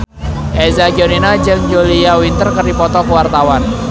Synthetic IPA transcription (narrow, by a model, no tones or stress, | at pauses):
ʔɛzaɡioninad͡ʒɨŋd͡ʒoliawint̪ərkərdipɔt̪ɔkəwart̪awan